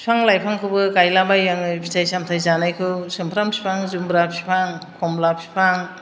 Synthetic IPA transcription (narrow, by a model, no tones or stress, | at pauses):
i̥pʰaŋlajpʰaŋkʰɯbɯkajlabajːaŋɯpʰi̥tʰajsamtʰajzanajkʰɯwsɯmpʰɾampʰi̥pʰaŋzumbɾapʰipʰaŋkʰɔmlapʰi̥pʰaŋ